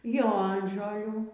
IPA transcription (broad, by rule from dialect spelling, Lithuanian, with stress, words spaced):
ˈjoːnʒoːlʲuː